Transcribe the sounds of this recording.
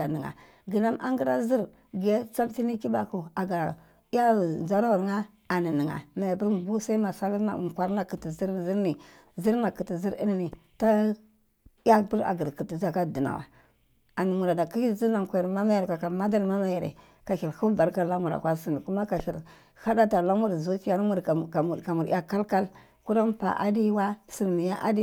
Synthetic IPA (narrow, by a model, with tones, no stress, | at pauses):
a˨ni˨ŋa̰˨ | ɡi˨na˦mʔa˦ŋɡi˦ɾa˦zi˦ɾ | ɡe˦t͡sa˦mti˦ni˦ki˦ba˨ku˨a˨ɡa˨˦ | ja˦˨nza˦ɾa˦wɾŋa˦ | a˨ni˨ni˨ŋa̰˨ma˨a˨bi˦ɾbu˦sa˦i˦ma˨sa˦li˦na̰˨kʷa˦ɾna˨ki˨ti˨zi˦ɾzi˦ɾni˨ | zi˦ɾna˨ki˨ti˨zi˦ɾi˦n˦ni˨ta˦ | a˦bə˦ɾa̰˨ɡə˨ɾki˨ti˨za˨ka˦˨di˨na̰˨wa̰˨ | a˨ni˨mu˨ɾa˨da˨ki˦i˦zi˦na˨ŋkʷa˨ja˨ɾma˦ma˦ja˨ɾka˨ka˨ma˦da˦ɾma˦ma˦ja˨ɾḛ˨ | ka˨ʃi˨lhu˦ba˨ɾka˦la˦mu˨ɾa̰˨kʷa˦si˨ni˨ku˦ma˦ka˨ʃi˨l | ha˦da˦ta˨la˦mu˦ɾzu˦t͡ʃi˦ja˦n˦mu˦ɾka˨u˨ka˨mu˨ɾ̰a˦ka˦lka˦l | ku˦ɾa˦m˦pa̰˨ʔa̰˦di˦wa˦si˨ɾmi˨ja˦ʔa̰˦di˦